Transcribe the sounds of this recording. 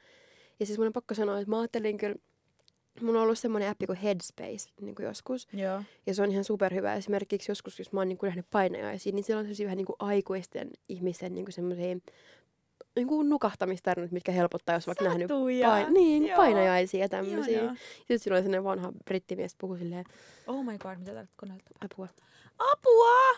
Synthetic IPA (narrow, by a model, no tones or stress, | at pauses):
jɑsesemːonempɑkːosɑnoːet̪mɑɑːt̪ːeliŋkyl | mulːõolːussemːoneæpːikuhedspḛisnḭːŋkujo̰skusjɑseonihɑnsuperhyʋæ̰ḛsimerkiksjoskusjosmɑːniːŋkunæhnyppɑinɑ̰jɑ̰isiːniːsilːonsemːosiːʋæhæniːŋkuʔɑikuist̪ḛnihmist̪ennḭːŋkusemːosiː | niːŋkunukɑht̪ɑmist̪ɑrinut̪mit̪kæhelpot̪ːɑːjosʋɑiknæhnypɑiniːppɑinɑjɑisiːjɑt̪æmːøsiːjɑsit̪silːolsemːoneʋɑnhɑb̥rit̪ːimiæspuhusilːeː | oːmɑjɡoːdmit̪æt̪ɑrt̪konelt̪ːɑ̥pɑpuɑ | ɑpuɑ